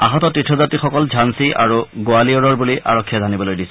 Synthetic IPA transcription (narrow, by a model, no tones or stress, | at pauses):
aɦɔtɔtɹitʰːɔzatixɔkɔld͡ʒʱansiʔa̰ɹuɡoaliɔɹɔɹbuliʔa̰ɹɔkʰːijazʱanibɔlojdisɛ̥